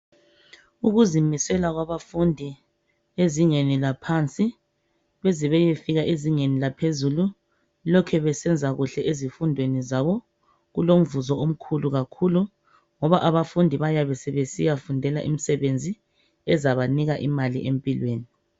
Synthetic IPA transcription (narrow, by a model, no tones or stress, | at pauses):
uɣuzimisɛlaɣwaβafundʱi | eziŋenilapʰant͡sʼi | βeziβɛjefiɣaʔeziŋenilapʰezulu | lɔkʰɛβɛsɛnd͡zʱaɣuɬɛʔezifundʱwenizaβɔ | ɣulom̩vuzɔom̩kʰuluɣakʰulu | ŋɔβaʔaβafundʱiβajaβɛsɛβesijafundʱɛlaʔḭm̩sɛβend͡zʱi | ɛzaβaniɣaʔimalḭʔempʼilweːni